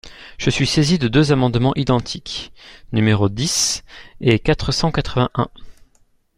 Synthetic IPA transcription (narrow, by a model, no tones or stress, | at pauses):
ʒ̥əsɥisezid̪əd̪øzamɑ̃d̪mɑ̃ʔid̪ɑ̃t̪ʰiknymeʁod̪isekat̪χəsɑ̃kat̪χəvɛ̃ʔɛ̃